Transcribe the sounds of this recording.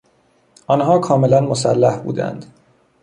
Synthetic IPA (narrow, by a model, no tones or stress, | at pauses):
ɒnɦɒːkʰɒːme̞lænmosælːæhbṵːd̪æ̰nd̪̥